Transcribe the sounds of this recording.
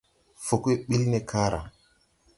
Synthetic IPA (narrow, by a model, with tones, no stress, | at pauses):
fo˨ke˦ɓi˦lne˦kʰa˦ɾa̰˨